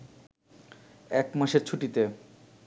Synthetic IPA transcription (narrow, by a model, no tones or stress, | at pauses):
ɛkmaʃeɾt͡ɕʰuʈit̪e